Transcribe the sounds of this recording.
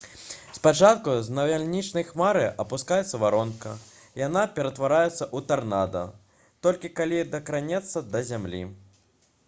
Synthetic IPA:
spat͡ʂat̪̚kuznɐvʲalʲnʲit͡ʂnɐjxmaɾɨʔɐpuskajɛt̪sːɐvaɾɔnkɐ | janapʲɛɾɐt̪vaɾajɛt̪sːɐʔut̪arnad̪ɐ̰ | t̪ɔlʲkʲikalʲid̪ɐkɾanʲɛt̪sːɐd̪ɐzʲamlʲḭ

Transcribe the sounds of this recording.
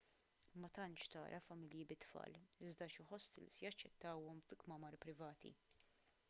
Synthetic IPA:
mɐt̪ɐnt͡ʃt̪ɐ̰ːɾʔɐfɐmɪljibɪt̪ːfɐ̰ːlɪzd̪ɐʃɪħɔsːɪ̰lsjɐt͡ʃːɛt̪ːɐwɔmfɪkmɐmɐɾpɾɪvɐːt̪ḭ

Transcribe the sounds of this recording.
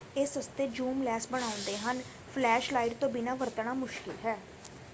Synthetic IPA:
ɪsɦəst̪eːd͡ʒuːmlɛːsbəɽ̃aːʊ̃nd̪eːɦən | pʰlɛːʃlaːiɖt̪õːbɪnãːʋəɾt̪əɳaːmʊʃkɪlɦɛː

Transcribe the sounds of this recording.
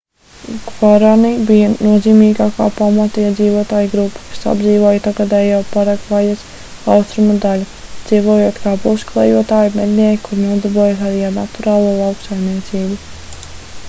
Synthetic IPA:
ɡvaɾanibijanuɔziːmiːɡaːkaːpamat̪iɛd̪ziːvoɔt̪aːjuɡɾupːḁkḁsa̰bziːvoːjt̪aɡad̪ɛjawpaɾakvajas | awst̪ɾumad̪alʲu | d̪z̥iːvoːjot̪kaːpuwsklˠɛjuɔt̪aːjumɛd̪niɛjikuɾnuɔd̪aɾbuɔjasaɾiːaɾnat̪uɾaːlˠuɔlˠawksajmniɛt̪siːbu

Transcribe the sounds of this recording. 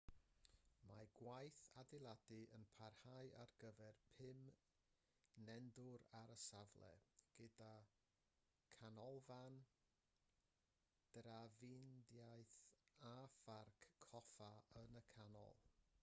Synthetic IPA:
maɡwajθadɪlˠadɨənpʰarhajʔarɡ̥əvɛrpʰɪm | nɛndʊɾaɾəsavlˠɛ̰ɡ̥əda | kʰanɔlˠvan | d̥ravɪndjajθafarkʰːɔfaənəkʰanɔ̰lˠ

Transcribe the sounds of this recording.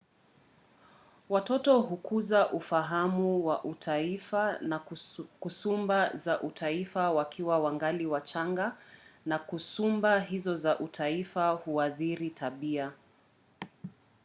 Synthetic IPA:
watɔtɔɦukʰuzaʔufaɦamuwaʔutʰaifa | kusumbazaʔutʰaifawakʰiwawaŋɡaliwat͡ʃaŋɡanakusumbaɦizɔzaʔutʰaifahuaðiɾitʰaɓia

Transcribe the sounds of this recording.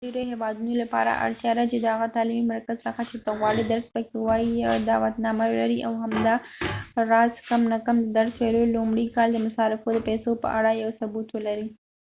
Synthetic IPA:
eɾoɦewɑd̪unolapɑ̰ɾa̰ʔa̰ɽt̪jɑd̪at͡ʃed̪əhaɣat̪ɑlimimaɾkazsəxat͡ʃet̪əɣwɑɽid̪aɾspəkewɑjijad̪awat̪nɑmalaɾiʔawɦamd̪ɑ | ɾɑzkamnakamd̪əd̪aɾswelolʊmɽikɑld̪əmʊsɑɾɪfod̪əpɛsopə̰ʔaɽajawsʊbut̪wəlaɾi

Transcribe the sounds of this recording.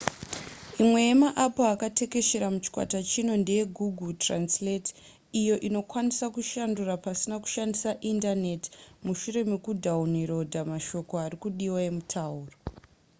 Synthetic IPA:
imwe̞jemaʔapoakate̞ke̞ʃe̞ɾamut͡ʃi̥kwa̰tat͡ʃino̞nde̞je̞ɡʱuɡʱutranslet | ijo̞ʔino̞kwanisakuʃandurapasinaku̥ʃandisaʔindane̞ti̥muʃure̞mekudʱauniɾo̞dʱamaʃo̞ko̞arikuɗiwae̞mutʰauːro

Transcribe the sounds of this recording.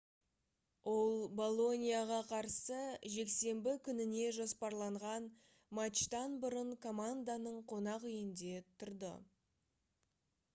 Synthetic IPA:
wʔo̞lˠbo̞lˠo̞nʲijaʁɑqʰɑɾsəʒe̞kse̞mbɪkʲʰʏnɪne̞ʒospɑɾlˠɑɴʁɑn | mat̪t͡ʃt̪ɑnbʊɾəɴkʰo̞mand̪anəɴqʰo̞nɑqijɪnd̪e̞t̪ʰʊɾd̪ə̰

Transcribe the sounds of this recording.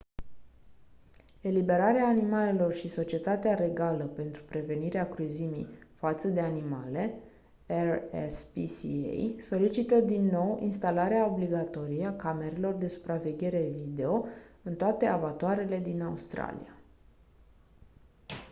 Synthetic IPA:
e̞libe̞ɾaɾeaːnimale̞lo̞rʃiso̞t͡ʃe̞t̪at̪eaɾe̞ɡaləpe̞nt̪ɾupɾe̞ve̞niɾeakɾuzimḭjfat̪səd̪e̞animale̞ | erḛspisiḛjso̞lit͡ʃit̪əd̪inːo̞wḭnst̪alaɾeao̞bliɡat̪o̞ɾijeakame̞ɾe̞lo̞rd̪e̞su̥pɾave̞ɡʲe̞ɾe̞vid̪e̞o̞ɨnt̪oat̪e̞avat̪oaɾe̞le̞d̪inaust̪ɾa̰lḭja

